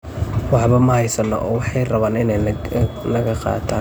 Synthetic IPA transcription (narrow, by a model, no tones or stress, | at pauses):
wɑħβɐmɐhɐjsɐnɔ̰ʔɔ̰ːwɑħɑjrɐβaːnɪnɛ | lɐɣɐqɑ̰ːt̪ʰaː